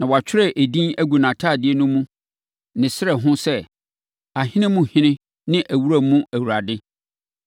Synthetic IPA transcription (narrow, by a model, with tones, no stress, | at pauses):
nã˨wɔ˨a˨t͡ɕʰᶣɪ˦ɾɛ˦ʔæ˨dĩ˦æ˦ɡu˨nã˨tʰa˦˨dɪ˦ɛ˦nʊ̃˦mũ˦ | nɪ̃˨sɪ˦ɛ˨ɦʊ̃˦sɛ˦ | a˨hɪ̃˦nɪ̃˦mũ˦hɪ̃˦nɪ̃˦ | nɪ̃˦ʔæ˨wu˦ɾæ˦mũ˦æ˨wu˨ɾa˨dɪ˦